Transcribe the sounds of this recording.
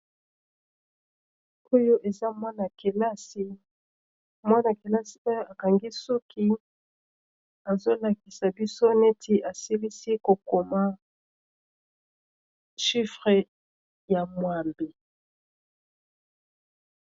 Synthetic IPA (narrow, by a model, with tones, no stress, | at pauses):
o˦jo˦ʔe˨za˦mwa˦na˨ke˨la˦si˦ | mwa˦na˨ki˨la˦si̥˨o˦jo˦a˨ka˨ŋɡi˦su˦kʰi˦ | a˨zo˦la˨ki˨sa˨bi˦so˦ne˦tʰi˦ʔa˨si˦li˦si˦ko˨ko˨ma˦ | ʃi˦fʁe˨ | ja˨mwa˨mbi˨